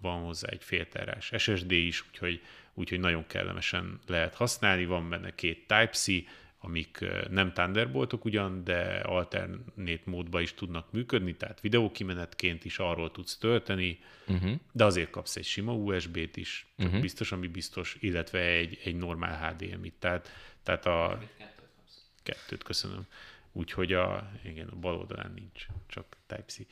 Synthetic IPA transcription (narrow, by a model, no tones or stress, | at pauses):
vɒnho̞zːa̰ːɛ̰cfeːlt̪ɛ̰ɾa̰ːʃɛʃɛʒd̪eːiʃuːcho̞ɟuːchoɟnɒɟo̞ŋkɛ̰lːɛ̰mʔɛ̰ʃɛnlɛɦɛt̪hɒsnaːlnivɒmbɛnːʔɛ̰keːt̪ːaːjpsi | ɒmiknɛmt̪and̪ɛrbo̞lt̪o̞kuɟɒnd̪ɛ̰ɒ̰lt̪ɛ̰rnːeːt̪moːd̪bɒiʃt̪ud̪nɒkmyːkød̪nit̪ɛɦat̪ʋid̪ɛoːkimɛnɛt̪keːnt̪iʃɒrːoːlt̪ut̪st̪ølt̪ɛni | d̪ɛɒzeːrt̪̚kɒpsɛ̰cʃimɒuːɛʒbeːt̪iʃt͡ʃɒkbist̪o̞ʃɒmibist̪o̞ʃilːɛt̪ʋɛɛɟɛɟno̞rma̰ːlɦaːd̪eːɛ̰mḭt̪ːɛːt̪ːɛːt̪ɒ | kɛt̪ːø̰ːt̪køsønø̰muːcho̞ɟɒ̰iɡɛnɒ̰bɒlo̰ːld̪ɒ̰la̰ːnːint͡ʃt͡ʃɒkt̪ɛ̰jpsi